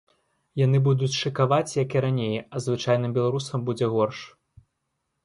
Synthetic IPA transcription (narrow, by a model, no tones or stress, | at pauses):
jan̪ɨbud̪ut͡sʲʂɨkavat͡sʲjɐkiɾanʲejɐzvɨt͡ʂajnɨmbʲɛlˠaɾusɐmbud͡zʲɛɣɔrʂ